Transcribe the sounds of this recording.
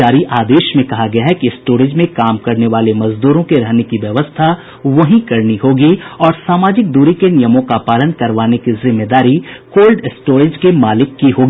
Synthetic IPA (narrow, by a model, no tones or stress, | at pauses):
aːɾiʔaːd̪eːʃmẽkɐɦaɡɐjaɦɛkiɪsʈoːɾɪd͡ʒmẽkaːmkɐɾneʋaːlemɐzd̪uːɾõkeɾɐɦnekiʋjɐʋəst̪ʰa | ʋɐɦĩkɐɾniɦoːɡiɔːɾsaːmaːd͡ʒɪk̚d̪uːɾikenɪjəmõkapaːlənkɐɾʋaːnekizɪmːed̪aːɾikoːlɖɪsʈoːɾɪd͡ʒkemaːlɪkːiɦoːɡiː